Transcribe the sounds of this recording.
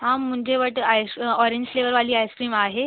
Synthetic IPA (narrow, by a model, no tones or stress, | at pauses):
ɦãm̤ːũɳd͡ʑeʋəʈajsɔɾeɲd͡ʑfleʋəɾʋaliːajskɾiːmaɦe